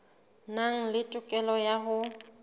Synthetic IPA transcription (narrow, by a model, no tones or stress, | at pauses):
naŋ̩lɪtʼʊkʼɛlɔjaɦʊ